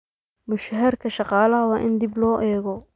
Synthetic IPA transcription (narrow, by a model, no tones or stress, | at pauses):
mʊʃɦɐrkʰɐʃɑqɑːlɐɦɐwɑːʔɪnd̪ɪblɔːʔɛːɣɔ